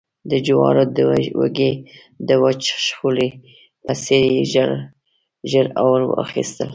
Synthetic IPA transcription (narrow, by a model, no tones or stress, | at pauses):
d̪əd͡ʒuwɑ̰ɾod̪əwa̰ɡe | d̪əwat͡ʃʃxuli | paseɾiʒɾ | ʒəɾawəɾwə̰ʔa̰xist̪əl